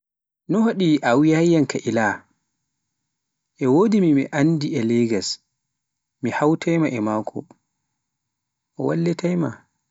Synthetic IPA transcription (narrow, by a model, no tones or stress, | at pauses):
nɔhaɗiʔawjajjankaʔila | ʔɛwodimimiʔandiɛlɛɡas | mihawtʰajmaʔɛmaːkʰɔ̰ | ʔɔwalːɛtajma